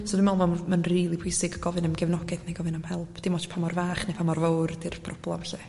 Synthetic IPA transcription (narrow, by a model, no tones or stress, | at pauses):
sɔdɪmɔlˠvɔmanriːlˠipʰʊjsɪɡəɡ̥ɔvɨnəmɡɛvnɔɡɛd̥neɡɔvɨnamhɛlˠpʰd̥ɪmɔtpʰamɔrvaːχnepʰamɔrvowrdɪrvpʰrɔb̥lˠɔvɛɬɛ